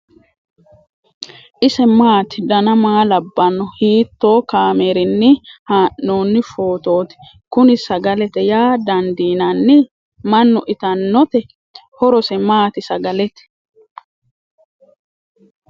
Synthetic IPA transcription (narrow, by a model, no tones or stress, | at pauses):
ʔɪsɛmaːt̪ɪd̪ɐnɐmaːlɐbːɐnːɔhiːt̪ːo̞ːkaːmeːɾɪnːɪhaːʔːo̞ːnːɪfo̞ːt̪o̞ːt̪ɪ̥ | kʊnɪsɐɡɐlɛt̪ɛjaːd̪ɐnd̪iːnɐnːɪ | mɐnːʊʔɪt̪ɐnːɔt̪ɛ | hɔɾɔsɛmaːt̪ɪsɐɡɐlɛt̪ɛ̥